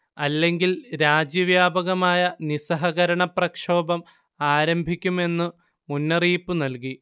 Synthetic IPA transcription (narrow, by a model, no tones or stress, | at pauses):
ɐlːe̞ŋɡilɾaːd͡ʑjɐʋjaːbɐɣɐmaːjɐnisɐɦɐɣɐɾɐɳɐprɐkʂo̞ːbɐm | aːɾɐmbʱikʲːume̞nːɨ | munːɐriːpːɨnɐlki